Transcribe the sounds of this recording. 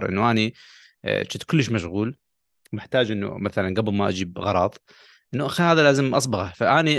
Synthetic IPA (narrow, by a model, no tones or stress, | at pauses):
ɾˤʔɪ̰nːuʔanḭ | t͡ʃɪt̪kʊlːɪʃ̬maʃɣuːl | mɪħt̪aːd͡ʒʔɪnːṵmaθalanɡablmaʔa̰d͡ʒiːbɣɑɾˤɑːt̪ˤ | ʔɪnːuʔaxihaːðalaːzɪmʔɑs̬ˤbɑɣɑfaʔaːni